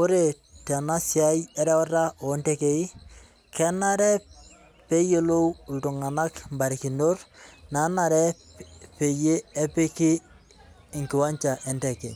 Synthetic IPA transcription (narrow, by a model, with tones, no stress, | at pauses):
ko˦ɾe˨ | tɛ˨na˦sɪa˦jɛ˦ɾɛ˦ɔ˦ɾa˦ʔo˨˦ntɛ˦kei˦ | kʰɛ˦na˦ɾɛ˦ | pe˦je˦lo˦wltʊ˨ŋa˨na˦kmba˨ɾɪ˨ki˨ndo˦rna˨˦naɾɛ˦pe˨je˦ɛ˦pe˦kɪ˦ | ɪ˨ŋkɪ˨wa˦ɲt͡ʃa˨ʔɛ˦ntɛ˨kḛ˨